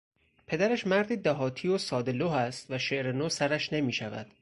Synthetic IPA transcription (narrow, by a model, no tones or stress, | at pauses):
pʰe̞d̪æɾæʃmæɾd̪iːd̪æɦɒːt̪ʰiːosɒːd̪eloːɦæst̪væʃe̞ʔɾenoːsæɾæʃne̞miːʃævæ̰d̪̥